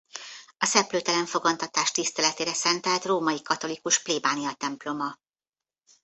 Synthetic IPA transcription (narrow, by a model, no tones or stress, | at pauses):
ɒsɛpløːt̪ɛlɛɱfo̞ɡɒnt̪ɒt̪aːʃt̪ist̪ɛlɛt̪eːɾɛsɛnt̪ɛlt̪roːmɒjikɒt̪o̞likuʃpliːbaːnijɒt̪ɛmplo̞mɒ